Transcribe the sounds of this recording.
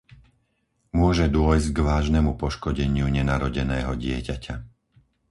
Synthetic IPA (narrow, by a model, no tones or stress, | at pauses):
mʊɔʒɛd̪ʊɔjzɟɡʋaːʒnɛmupɔʃkɔɟɛɲɪuɲɛnaɾɔɟɛnɛːɦɔɟɪɛcacʰa